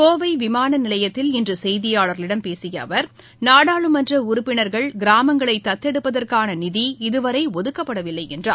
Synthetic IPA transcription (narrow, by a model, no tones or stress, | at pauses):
koːʋɐɪʋɪmaːnɐnɪlɐjɐt̪ːɪlɪndrɯsɛjðɪjaːɭɐɾlɪɽɐmpeːsɪjɐːʋɐɾ | naːɽaːɭɯmɐndrɐʊɾʊpːɪnɐɾɣɐɭɡɪɾaːmɐŋɡɐɭɐɪt̪ːɐt̪ːɛɽɯpːɐðɐrkaːnɐnɪðiɪðɯʋɐɾɐɪɔðɯkːɐpːɐɽɐʋɪlːɐɪɛndraː